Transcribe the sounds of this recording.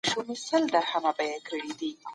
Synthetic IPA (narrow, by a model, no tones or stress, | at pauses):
ʃumisəld̪ahamabajakəɽid̪i